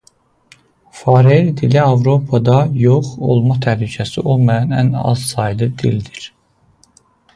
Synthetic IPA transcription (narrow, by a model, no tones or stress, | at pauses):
fɑɾeɾd̪iliɑvɾo̞pʰɑd̪ɑjoχo̰lˠmɑt̪ʰæhlycʰæsiʔo̞lˠmɑjɑnæ̰nɑ̰zsɑjd̪ɯd̪ild̪iɾ̥